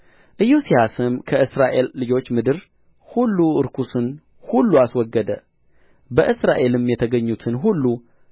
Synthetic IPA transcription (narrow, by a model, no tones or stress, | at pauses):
ʔɨjːusihasɨmkʰəʔɨsɾaʔe̞lːɨd͡ʒo̞t͡ʃːmɨd̪ɨɾ | hulːuɨɾkʰusɨn | hulːuaswɔɡːəd̪ə | bəʔɨsɾaʔe̞lɨmjɛt̪ʰəɡəɲːut̪ʰɨnɦulːu